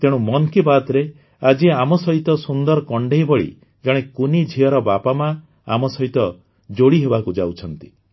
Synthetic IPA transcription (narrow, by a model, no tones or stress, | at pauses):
t̪ẽũmɔnkibat̪ɾe | ad͡ʒiamɔsɔɦit̪ɔsund̪ɔɾɔkɔɳɖeɦjbɔɭḭ | d͡ʒɔɽ̃ekunid͡ʒʱiɔɾɔbapama | amɔsɔɦit̪ɔ | d͡ʒoɽiɦebakud͡ʒawt͡ʃʰɔnt̪i̥